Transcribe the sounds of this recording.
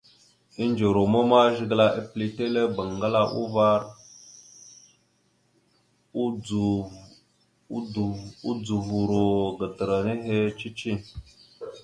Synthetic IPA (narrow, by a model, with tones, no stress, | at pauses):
i˦nd͡ʒo˨ɾo˨mo˦ma˦ʒi˦ɡla˦ʔi˦pli˦te˦le˦ba˨ŋ˨ɡa˦la˦ʔṵ˦va˦ɾ | u˦d͡zu˨vu˨ɾo˨ɡə˨tə˨ɾa˨ne˦ɦe˦t͡ʃi˦t͡ʃi˦˨